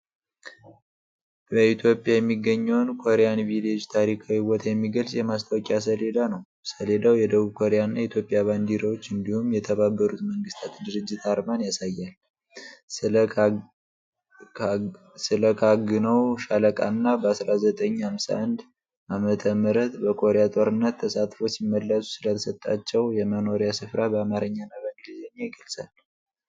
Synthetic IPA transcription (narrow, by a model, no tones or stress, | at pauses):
bəit̪ʰjo̞pʼːjajɛmːiɡːəɲːɛwnkʰo̞ɾejanvilod͡ʒt̪ʰaɾikʰawiwɔt̪ʰjɛmːiɡəlsʼjɛmast̪ʰawkʼjas̬əle̞d̪anəw | səle̞d̪awjɛd̪əβuβkʰo̞ɾejanːajɛit̪ʰjo̞pʼːjaβand̪iɾawot͡ʃːɨnd̪ihumjɛt̪ʰəβabːəɾut̪məŋɡɨst̪ʰat̪d̪ɨɾɨd͡ʒːɪt̪aɾmanjasajːal | sɨləkʰaɡɨnəwʃaləkʼa̰nɨnːabəasɾazət̪ʼəɲːhamsa̰ʔand̪ | ʔamət̪ʰəməɾət̪bəkʰo̞ɾejat̪ʼo̞ɾɨnːət̪ʰːəsat̪fo̞simːəlːəsu̥sɨlət̪ʰəsət̪ʼːa̰t͡ʃːɛwjɛməno̞ɾjasɨfɾabəamaɾəɲːanaβəɡɨlizeɲːajɡəlsʼal